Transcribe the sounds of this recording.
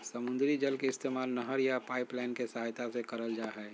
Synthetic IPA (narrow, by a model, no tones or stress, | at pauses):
sɐmʊ̃nd̪ɾid͡ʒəlkeɪst̪eːmaːlnəɦəɾjapaːɪplaːɪnkesɐɦaːjt̪asekɐɾəld͡ʒaːɦɛː